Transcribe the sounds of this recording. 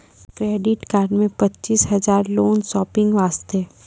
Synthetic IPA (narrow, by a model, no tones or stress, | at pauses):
kɾeːɖɪʈkaːɾɖmẽpɐtːt͡ʃiːsɦɐzaːɾloːnsɔːpɪ̃ŋɡʋaːst̪e